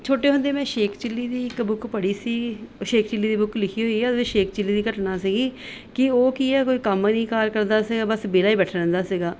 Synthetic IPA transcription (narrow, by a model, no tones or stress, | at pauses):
t͡ʃʰoːʈeːɦʊ̃nd̪eːmɛ̃ːʃeːkʰt͡ʃɪlːiːd̪iːɪkbʊkʰpəɽiːsiːʃeːkʰt͡ʃɪlːiːd̪iːbʊkʰlɪkʰiːɦoːiːɛːd̪ɪʃeːk̚ʰt͡ʃɪlːiːd̪iːkəʈnaːsiːɡiː | kɪoːkiːɛːkoːiːkəmnĩːkaːɾkəɾnd̪aːsiːɡaːbəsbeːlaːiːbɛːʈʰlɛ̃ːnd̪aːsiɡaː